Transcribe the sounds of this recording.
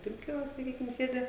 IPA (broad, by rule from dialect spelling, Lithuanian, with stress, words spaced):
toːˈkʲoː sɐˈkʲiːkʲɪm ˈsʲeːdʲɪ